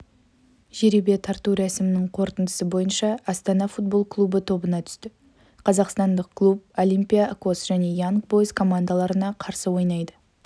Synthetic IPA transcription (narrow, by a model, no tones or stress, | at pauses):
ʒeɾibe̞t̪ʰɑɾt̪uɾæsɪmɪnɪŋqʰo̞ɾt̪ənd̪əsəbo̞jənʃɑɑst̪ɑnɑfut̪̚bo̞lˠklˠubət̪ʰo̞bənɑt̪ʰʏ̥st̪ɪ | qʰɑzɑqst̪ɑnd̪əq̚kʰlˠup̚olʲˠijmpʲijako̞sʒ̥æne̞jaŋkbo̞jəskʰo̞mand̪alˠɑɾənɑqʰɑɾsəwo̞jnɑjd̪ə